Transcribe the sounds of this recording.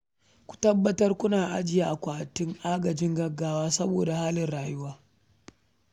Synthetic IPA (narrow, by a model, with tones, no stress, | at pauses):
kʷu̥˨tɐ˦bːɐ˦tɐ˦rkʷʊ˦naː˨ʔa̰˦d͡ʒɪ˨jaː˦ʔa˨kʷaː˨tɪ˦ŋʔaː˦ɡɐ˨d͡ʒɪ˦ŋɡɐ˦ɡːaː˦waː˦sɐ˦boː˨da˨haː˦lɪ˨nɽaː˨jʊ˦waː˦